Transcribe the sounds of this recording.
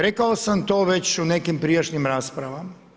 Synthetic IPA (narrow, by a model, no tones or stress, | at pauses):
ɾekaosamt̪o̞ːʋe̞t͡ɕune̞kimpɾijaʃnimɾaːspɾaʋama